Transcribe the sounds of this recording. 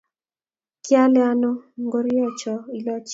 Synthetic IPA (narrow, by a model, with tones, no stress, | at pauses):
kja˦la˦no˦ŋɡo˦ɾɪ˦ɔ˦˨t͡ʃɔ˨i˨lɔ˦t͡ʃ